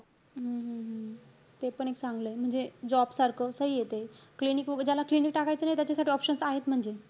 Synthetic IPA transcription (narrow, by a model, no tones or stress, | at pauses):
ɦəɦəɦə | t̪epəɳeksãŋɡləjm̤əɳd͡zed͡ʑɔbsaɾkʰəsəɦiːjet̪eklinikʋəɡəd͡ʑjalaklinikʈakajt͡sənajt̪jat͡ɕasaʈiːɔpɕənsaɦet̪m̤əɳd͡ze